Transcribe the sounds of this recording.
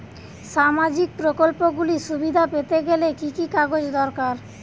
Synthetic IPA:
ʃamad͡ʑik̚pɾokolpoɡuliʃubid̪ʱapet̪eɡelekikikaɡod͡ʑd̪ɔɾkaɾ

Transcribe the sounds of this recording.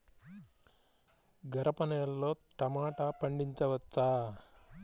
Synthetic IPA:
ɡɐɾɐpɐnɐjɐlːo̞ːʈɐmaːʈapɐɳɖiɲt͡ʃɐʋɐt͡ʃːaː

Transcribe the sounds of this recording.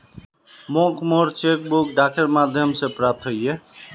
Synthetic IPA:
mokmoɾt͡ʃek̚bukɖakʰeɾmad̪ʱjʌmsepɾap̚t̪ʰɦoje

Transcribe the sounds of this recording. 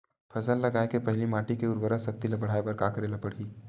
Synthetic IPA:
pʰɐzəlːɐɡaːekepɐɦlimaːʈikeʊɾbəɾəsɐk̚t̪ilɐpəɽ̤aːepɐɾkaːkəɾelɐpəɽ̤iː

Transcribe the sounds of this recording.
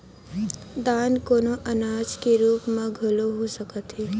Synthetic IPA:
d̪aːnkoːnoʔɐnaːd͡ʒkeɾuːpmãɡʱɐloɦosəkət̪ɦeː

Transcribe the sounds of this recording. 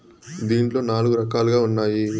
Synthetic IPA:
d̪iːɳʈlo̞ːnaːluɡuɾɐkaːluɡaːunːaːji

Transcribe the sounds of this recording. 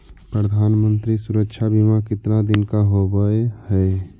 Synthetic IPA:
pɾəd̪ʱaːnmə̃nt̪ɾisʊɾəkʃʰabʱimakɪt̪nad̪ɪnkaɦobəehɛ

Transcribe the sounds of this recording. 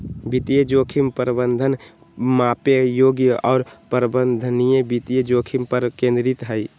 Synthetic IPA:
bit̪ijəd͡ʒokʰimpəɾbənd̪ʱən | mapejoɡjəʔɔːɾpəɾbənd̪ʱənijebit̪ijəd͡ʒokʰimpəɾkẽnd̪ɾit̪ɦəj

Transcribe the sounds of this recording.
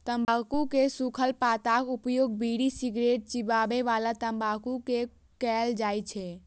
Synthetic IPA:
t̪əmbakukesukʰəlpat̪akupjoːɡ̚biɽisiɡɾeʈ̚t͡ʃibabeʋalat̪əmbakuke | kɛld͡ʒaːjt͡ʃʰɛ

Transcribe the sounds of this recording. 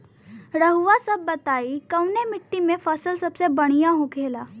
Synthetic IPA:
ɾəɦuʋasəbːət̪aːikəwnemɪʈːimẽfəsəlsəbsebəɽ̃ijaɦokʰelaː

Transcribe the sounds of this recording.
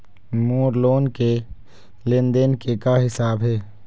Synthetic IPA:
muːɾloːnke | lɪnd̪enkekaɦɪsaːbɦɛː

